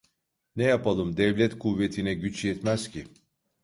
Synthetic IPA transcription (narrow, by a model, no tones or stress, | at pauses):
nɛjapalˠɯmd̪ɛvlʲɛt̪kʰuvːet̪ʰinɛɟyt͡ʃjɛt̪mæzcʰi